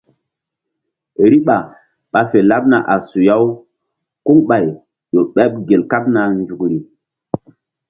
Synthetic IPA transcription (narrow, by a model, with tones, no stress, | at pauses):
ɾi˦ɓa˨ | ɓa˨fe˨la˦p̚na˨ʔa˨su˨ja˦w | ku˦ŋɓa˨j | ɗo˨ɓɛ˦p̚ɡe˨lka˦p̚na˨nd͡ʒu˨kɾi˨